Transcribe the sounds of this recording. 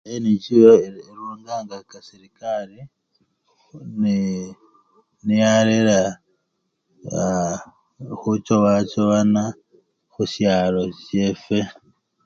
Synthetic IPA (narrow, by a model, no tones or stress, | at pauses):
ajenicijoeɾuːŋɡaːŋɡakasiɾikaɾi | ni | nijaɾeɾa | xut͡ʃoβat͡ʃoβana | xusjaːlo̞sjefe